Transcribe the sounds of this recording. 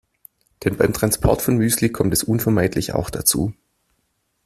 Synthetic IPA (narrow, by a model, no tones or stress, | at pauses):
d̥ɛnbaɪmtʁ̥anspʰɔ̰ɐtfɔnmyːslikʰɔmtɛsʔuːnfɛɐmaɪtʰlɪça̰ʊxd̥at͡sṵː